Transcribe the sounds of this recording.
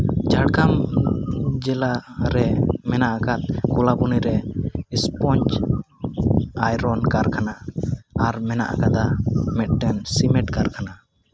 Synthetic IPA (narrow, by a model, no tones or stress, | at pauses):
d͡ʒaɽɡam | d͡ʒɛlaɾɛmɛnaʔakat̪̚kɔlabuniɾɛispɔɲt͡ʃ | ajɾɔnkaɾkʰanaaɾmɛna̰ʔakad̪amɛt̪̚ʈɛnsimɛʈkaɾkʰana